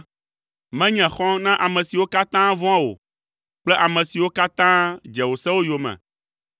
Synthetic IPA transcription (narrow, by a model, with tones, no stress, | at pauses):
mɛ̃˦ɲɛ̃˨xɔ̃˦nã˦ʔa˨mɛ̃˨si˨wo˦ka˦t̪ã˦vɔ̃˦ã˦wo̰˨ | k͡plɛ˦ʔa˨mɛ̃˨si˨wo˦ka˦t̪ã˦d͡ʒɛ˨wo˨sɛ˦wo˦jo˨mɛ̰̃˨